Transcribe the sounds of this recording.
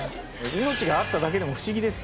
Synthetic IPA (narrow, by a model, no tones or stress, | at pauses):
ino̞t͡ɕiɡaːt̪ːad̪ake̞d̪e̞mo̞ɸɯ̟ɕiɡʲid̪e̞sɨ̥